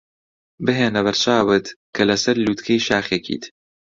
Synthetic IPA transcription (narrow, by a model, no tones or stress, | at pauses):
bɨɦeːnɐβɐɾt͡ʃaːwɨt̪kʰɐlɐsɐɾluːt̪kʰɐjʃaːxekḭt̪